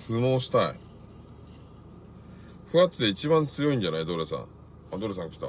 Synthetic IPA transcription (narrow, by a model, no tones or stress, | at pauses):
sɨmoːɕi̥t̪aḭ | ɸɯ̟ɡat͡sɨd̪e̞it͡ɕibãnt͡sɨjo̞ĩɲ̟d͡ʑanaid̪oːɾesã̰ | ad̪oɾes̬ãŋkḁkʲi̥t̪a̰